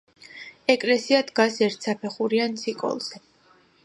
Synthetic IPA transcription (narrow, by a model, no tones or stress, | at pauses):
ɛkʼlɛsiad̪ɡasɛɾt̪ʰsapʰɛχuɾiant̪sʰikʼɔ̰lˠz̥ɛ